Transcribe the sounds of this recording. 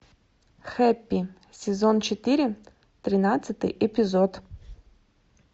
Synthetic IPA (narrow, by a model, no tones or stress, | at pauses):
xɛpʲːi | sʲɪzont͡ɕɪt̪ɨɾʲɪ | t̪ɾʲɪnat̪sɨt̪ɨ̰jʔɛpʲɪzot̪